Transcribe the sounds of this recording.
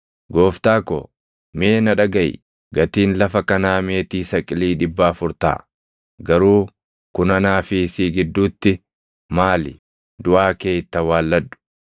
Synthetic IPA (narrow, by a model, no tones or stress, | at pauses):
ɡoːft̪aːkɔ̰ | meːnɐᶑɐɡɐjɪ̰ | ɡɐt̪iːnlɐfɐkɐnaːmeːt̪iːsɐkʼɪliːᶑɪbːaːfʊɾt̪a̰ː | ɡɐɾuː | kʊnɐnaːfɪsiːɡɪd̪ːuːt̪ːɪ | maːlɪ | d̪ʊʔaːkeːt̪ːɐwaːlːɐd̪ːʊ̥